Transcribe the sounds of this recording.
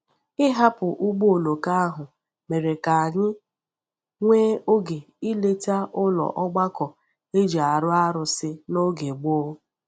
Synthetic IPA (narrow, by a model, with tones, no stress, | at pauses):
ɪ˦ɦa˦pʊ˨ʔʊ˦ɡ͡bo˦o˨lo˨ka˦a˦ɦʊ˨ | me˨ɾe˨ka˨a˨ɲɪ˦ | ŋʷeː˦o˦ɡe˨ | i˦le˦ta˦ʔʊ˦lɔ̰˨ʔɔ˦ɡ͡ba˦kɔ˨ | e˦d͡ʒi˨a˨ɾʊ˦a˦ɾʊ˨sɪ˦no˦ɡe˨ɡ͡boː˦